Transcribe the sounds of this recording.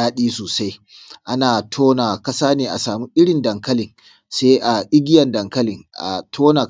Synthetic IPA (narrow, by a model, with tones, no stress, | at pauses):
aː˦ɗiː˦soː˨sa˦j | ʔa˦naː˨tʰoː˦naː˨kɐ˦saː˦neː˨ʔa̰˨saː˨mu˦ʔɪ˦ɽɪ˨ndɐ˨ŋkɐ˦lɪ˨n | seː˦ʔa˨ʔɪ˦ɡʲɪ˦jɐ˨ndɐ˨ŋkɐ˦lɪ˨ŋʔa̰˨tʰoː˦na˨